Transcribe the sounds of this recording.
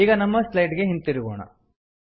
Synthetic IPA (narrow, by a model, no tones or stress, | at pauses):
iːɡɐnɐmːɐslɐjʈɡe̞ɦint̪iɾiɡoːɳɐ̰